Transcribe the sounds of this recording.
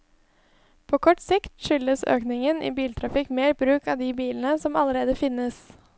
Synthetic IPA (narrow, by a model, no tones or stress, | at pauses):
pʰoːkʰɔʈsɪkt̪ʃʏləsø̰ːknɪŋənʔḭːbiːlt̪ʰɾɑfɪkmeːɾbɾʉːkɑːʋd̪iːbiːln̩əsɔmɑləɾeːd̪əfɪnːəs